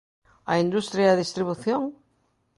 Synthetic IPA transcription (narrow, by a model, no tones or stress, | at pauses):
ɐ̰ind̪ust̪ɾjaeɐðist̪ɾiβ̞uθjoŋ